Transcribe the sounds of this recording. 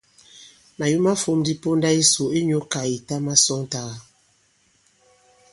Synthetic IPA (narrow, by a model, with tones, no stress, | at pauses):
ma˨ju˦ma˦fo˦mdi˦po˦nda˦i˦so˨i˦ɲo˦ka˨i˨ta˦ma˦sɔ˦ŋta˦ɣa˦